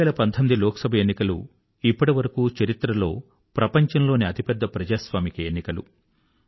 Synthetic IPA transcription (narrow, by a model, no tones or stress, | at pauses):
ɛːlɐpɐnt̪ʰɐmid̪ilɔːkɐsɐbʱɐenːikɐlṵ | ipːɐʈiʋɐɾɐkuːt͡ʃɐɾit̪ɾɐlo̞ː | pɾɐpɐɲt͡ʃɐnlo̞ːniɐt̪ʰipɛd̪ːɐpɾɐd͡ʒaːsʋaːmikɐenːikɐlṵ